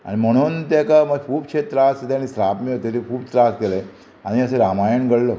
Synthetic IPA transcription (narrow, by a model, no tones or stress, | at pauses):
a̰ɽ̃im̤əɽ̃uːnt̪akaməɡkʰuːbkʂet̪ɾaset̪añisɾapmiɭt̪eɾikʰuːbsɾast̪ele | aɽ̃iəseɾamajəɳɡəɽlə